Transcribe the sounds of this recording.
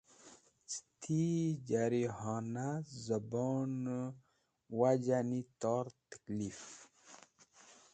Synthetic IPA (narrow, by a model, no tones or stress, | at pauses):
t͡si̥t̪ʰid͡ʒaɾiɦɑːnazəbɔn | wad͡ʒanit̪ɔɾt̪ə̥klif